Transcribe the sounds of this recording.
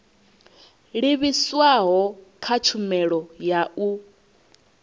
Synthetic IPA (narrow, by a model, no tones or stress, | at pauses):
ɺiβiswaɦɔkʰat͡ʃʰumɛɺɔjaʔu